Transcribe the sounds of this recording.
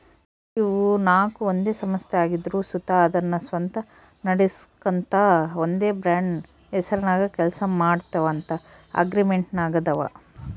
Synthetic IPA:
iʋunaːkuond̪e̞ːsɐmɐst̪ʰeaːɡid̪ɾuːsut̪aɐd̪ɐnːɐsʋɐnt̪ɐ | nɐɽeskɐnt̪ɐond̪e̞ːbɾaːɳɖ | ɛsɐɾɐnaːɡɐkɛlsɐmaːɖt̪ɐʋɐːnt̪ɐɐ̰ɡɾimeɳʈnaːɡɐd̪ɐʋɐ̰

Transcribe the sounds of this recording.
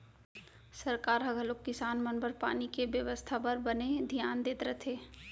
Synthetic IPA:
sɐɾkaːɾɦɐɡʱəlokːɪsaːnmənbəɾpa̰ːnikebjəʋəst̪ʰapəɾbəned̪ʱijaːnd̪eːt̪ɾət̪ʰeː

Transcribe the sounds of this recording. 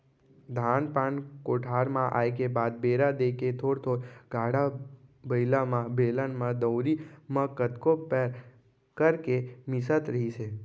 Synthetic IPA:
d̪ʱaːnpankoːʈʰaːɾmãʔa̰ːjkebaːd̪̚beːɾad̪eket̪ʰoːɽt̪ʰoːɾɡaːɽabəjlamãbelənmãd̪əwɾimãkət̪kopəɾ | kəɾkemɪsət̪ɾəɦise

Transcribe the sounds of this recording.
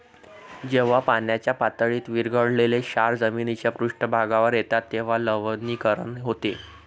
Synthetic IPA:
d͡ʑeʋ̤apanjat͡ɕjapat̪əɭiːt̪ʋiɾɡʱəɽleleɕaɾd͡zəminit͡ɕjapɾuʂʈəbʱaɡaʋəɾjet̪at̪ːeʋ̤aləʋniːkəɾəɳɦot̪e

